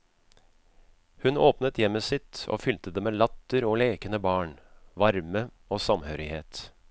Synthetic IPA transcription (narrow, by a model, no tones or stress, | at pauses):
hʉnoːpnət̪jɛmːəsɪt̪o̰ːfʏlt̪əd̪eːmeːlɑt̪ːəɾoːleːkənəbɑːɳʋɑɾmə | oːsɑmhøːɾɪheːt̪